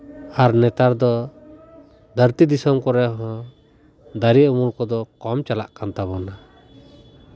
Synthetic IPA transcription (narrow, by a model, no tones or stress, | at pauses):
haɾnɛt̪aɾd̪ɔ | d̪əɾt̪id̪isɔmkɔɾɛɦɔ̃ | d̪aɾiəmulkɔd̪ɔkɔmt͡ʃala̰ʔkant̪aβɔna